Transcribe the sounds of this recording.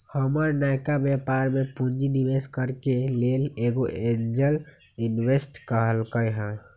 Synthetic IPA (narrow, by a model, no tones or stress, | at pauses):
həməɾnaːɪkabjɛːpaːɾmẽpund͡ʒinɪʋeːskəɾkeleːleɡoʔeɲd͡ʒəl | ɪnwesʈkəɦəlkəjɦɛ̃ː